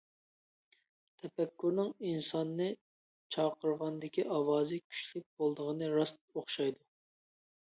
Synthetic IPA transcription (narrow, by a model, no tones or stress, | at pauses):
t̪ʰɛpɛkʲːuɾnɨŋinsɑnːɨ | t͡ʃʰɑqəɾʁɑnd̪ɪkʲiʔɑwɑːzɨkʲʰy̥ʃlɪk̚ʲb̥olˠd̪əʁənɨɾɑst̪̚oχʃɑjd̪u